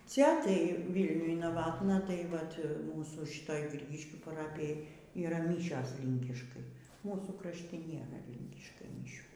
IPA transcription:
ˈt͡sʲɛ tɐɪ ˈʋʲiːlʲnʲʊj nɐˈʋɑːtnɐ tɐɪ ˈʋɐt ˈmuːsuː ˈʃʲɪtoːj ˈɡrʲiːɡʲɪʃʲkʲuː pɐˈrɑːpʲɪjoːj iːˈrɐ ˈmʲiːʃʲoːs ˈlʲɪŋʲkʲɪʃkɐɪ ˈmuːsuː krɐʃʲˈtʲɪ ˈnʲeːrɐ ˈlʲɪŋʲkʲɪʃkɐɪ mʲɪˈʃʲuː

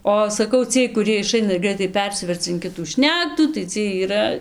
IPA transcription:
ˈoː sɐˈkɐʊ ˈt͡sʲiɛj kʊˈrʲiɛj ɪˈʃɐɪnɐ ɪr ˈɡrɐɪtɐɪ ˈpʲɛrʲsʲɪʋʲɛrt͡sɐ ɪn ˈkʲɪtuː ˈʃʲnʲæːktuː tɐɪ ˈt͡sʲiɛj iːˈrɐ

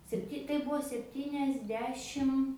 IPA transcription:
sʲɛpʲˈtʲɪ kɐɪ ˈbʊʋoː sʲɛpʲˈtʲiːnʲɛzʲˌdʲæːʃʲɪm

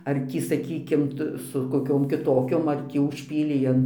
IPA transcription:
ɐr ˈtʲiː sɐˈkʲiːkʲɪm ˈtɐ sʊ koːˈkʲoːm kʲɪˈtoːkʲoːm ɐr ˈtʲiː ʊʃʲˈpʲiːlʲɛɪ ɐn

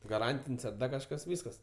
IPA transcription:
ɡɐˈrɐnʲtʲɪnʲsʲ ɐr ˈdɐr kɐʃˈkɐs ˈʋʲiːskɐs

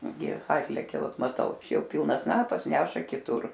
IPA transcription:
ɡʲɪ ˈɑːtʲlʲɛkʲɛ ˈʋɐt mɐˈtɐʊ ˈt͡ʃʲɛ ˈjɛʊ ˈpʲɪlˠnɐs ˈsnɑːpɐs ˈnʲæːʃɐ kʲɪˈtʊr

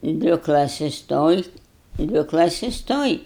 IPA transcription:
ˈdʲʋʲɪ klˠɐˈsʲɪs ˈtoːj ˈdʲʋʲɪ klˠɐˈsʲɪs ˈtoːj

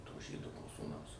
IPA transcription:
toː ˈʒʲiːdoː nʊ suːˈnɐʊs

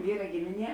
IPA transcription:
ˈʋʲiːrɐ ˈɡʲɪmʲɪˌnʲiɛ

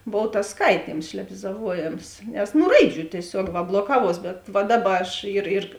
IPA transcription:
ˈboːw tɐs ˈskɐɪtʲiːms ʃʲlʲɛbʲɪzɐˈʋuɔjeːms nʲɛs ˈnʊ ˈrɐɪˌd͡ʒʲuː tʲiɛˈsʲuɔk ˈʋɐ blˠoːˈkɑːʋuɔs bʲɛt ˈʋɐ ˈdɑːˌbɐ ɐʃ ɪr ɪr

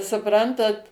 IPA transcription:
sʊˈprɐntɐt

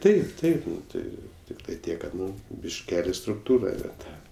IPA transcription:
ˈtɐɪp ˈtɐɪp ˈtɐɪ ˈtʲɪktɐɪ ˈtʲiɛk ˈkɐt ˈnʊ bʲɪʃʲˈkʲæːlʲɪ strʊkˈtuːrɐ nʲɛ ˈtɐ

